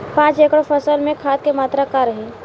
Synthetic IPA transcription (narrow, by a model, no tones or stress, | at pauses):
pãːt͡ʃeːkəɽfʰəsəlmẽkʰaːt̪̚kemaːt̪ɾakaɾəɦẽ